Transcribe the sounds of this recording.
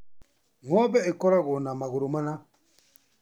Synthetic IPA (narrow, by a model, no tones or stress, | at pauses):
ŋɔbɛekɔɾaɡonamaɡoɾomana